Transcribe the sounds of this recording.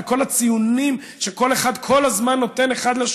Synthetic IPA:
ko̞lat͡sijunim | ʃeko̞le̞χad̪kʰo̞lazmanːo̞t̪e̞ne̞χad̪laʃ

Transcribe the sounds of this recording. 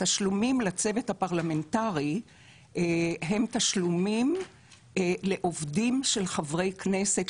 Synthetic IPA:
taʃlumimlat͡se̞vethapaʁlame̞ntaʁi | ɦe̞mtaʃlumim | le̞ʔo̞vdimʃelχavʁe̞jkne̞se̞t

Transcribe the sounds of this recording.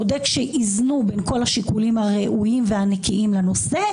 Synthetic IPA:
odekʃeʔiznubenko̞lhaʃikulimhaʁeʔujimveanekʰiʔimleno̞se̞

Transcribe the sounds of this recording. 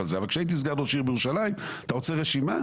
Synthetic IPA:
alzeavalkʃeait̪̬iis̬ɡaʁloʃiʁbejʁuʃalajim | t̪aʁot͡seʁeʃima̰

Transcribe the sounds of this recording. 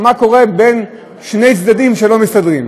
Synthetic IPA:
mako̞ʁe̞be̞n | ʃne̞jt͡sd̪adimʃelo̞mistad̪ʁim

